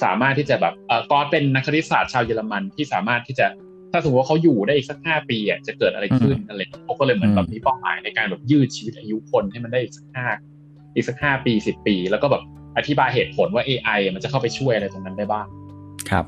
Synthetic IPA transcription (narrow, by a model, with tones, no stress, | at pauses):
sa̰ː˩˦maː˥˩t̪ʰːiː˥˩t͡ɕa˨˩bɛː˨˩p̚ʔɤː˨˩kɔː˧˥˩pe˧nːa˦˥kʰːt̪ʰi˦˥saː˨˩t̪̚t͡ɕʰaː˧wjɤː˧la˧ma˧nt̪ʰiː˥˩saː˩˦maː˥˩t̪ʰːiː˥˩t͡ɕa˨˩ | t̪ʰa˥˩so˨˩˦twa˥˩kʰa˦˥wjuː˨˩daː˥˩jʔiː˨˩sa˦˥k̚haː˥˩piː˧ʔa˨˩t͡ɕa˨˩kɤː˨˩t̪ʔa˧ɾa˧kʰɯ˥˩na˧la˧˨ji˧˥˩kʰa˦˥wkɔː˥˩lɤː˧jmɯ˩˦nba˨˩p̚niː˦˥paː˥˩wma̰ː˩˦jna˧jkaː˧nbɛː˨˩p̚jɯː˥˩t͡ɕʰiː˧wi˦˥t̪̚ʔa˧ju˦˥kʰo˧nt̪ʰiː˥˩ma˧nda˥˩ʔiː˨˩k̚sḁ˦˥k̚haː˥˩ | ʔiː˨˩k̚sa˦˥k̚haː˥˩piː˧si˨˩pːiː˧lɛ˦˥wkɔː˥˩bɛː˨˩p̚ | ʔa˧t̪ʰi˦˥baː˧jɦeː˨˩t̪̚pʰo˩˦nwaː˥˩ʔeː˧ʔa˧jʔa˨˩ma˧nt͡ɕa˨˩kʰa˥˩pa˧jt͡ɕʰu˥˩əjʔa˧ɾa˧jt̪o˧na˦˥ndaː˥˩jbaː˥˩ŋkʰa̰˦p̚